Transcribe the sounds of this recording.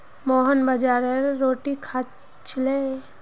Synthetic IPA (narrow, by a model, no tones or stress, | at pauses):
mɔːɦənbəd͡ʒaːɾeɾːoːʈikʰa | t͡ʃʰɪle